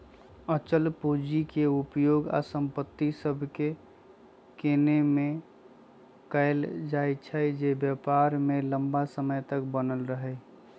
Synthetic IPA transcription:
ət͡ʃəlpod͡ʒikeupjoɡa̰səmpət̪ːisəbʱke | kenemẽ | kəɪld͡ʒajt͡ʃʰəd͡ʒebjəpaɾmeləmbasəməjt̪əkbənəlɾəɦɛ

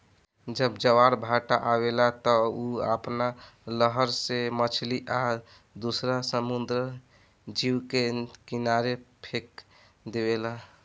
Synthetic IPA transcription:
d͡ʒəbd͡ʒəwaɾbʱaʈaʔaβelat̪ɔuə̰pnaləɦəɾsemət͡ʃʰliʔa | d̪usɾasəmund̪ɾə | d͡ʒiwkekinaɾepʰek | d̪eβela

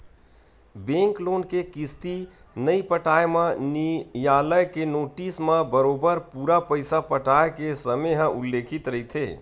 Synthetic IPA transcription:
bẽŋkloːnkekist̪i | nəipəʈaːemãnijaːləjkenoːʈismãbəɾoːbəɾpuːɾapəɪsapəʈaekesəməjɦə̃ʔulːeːkʰit̪ɾəɦit̪ʰḛː

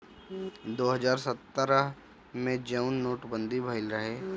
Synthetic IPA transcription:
d̪oːɦəd͡ʒaːɾsət̪ːəɾəɦ | mẽd͡ʒəʊnːoːʈbə̃nd̪ʱibʱəɪlɾɐɦeː

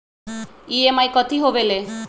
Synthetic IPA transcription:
iemajkɔt̪ʰiɦobele

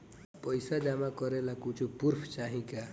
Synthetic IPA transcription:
pəjsad͡ʒamakɔɾelakut͡ʃʰupuɾpʰt͡ʃaɦĩka

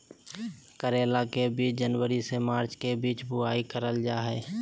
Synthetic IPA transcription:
kəɾeːlakebiːt͡ʃd͡ʒənwəɾisemaːɾt͡ʃkebiːt͡ʃbʊaːikəɾəld͡ʒaːɦɛː

